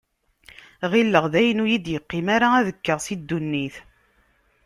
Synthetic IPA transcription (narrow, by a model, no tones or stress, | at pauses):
ʁilːəʁðæjənujid̪jəqːimaɾaæðəkːəʁsid̪ːunːiθ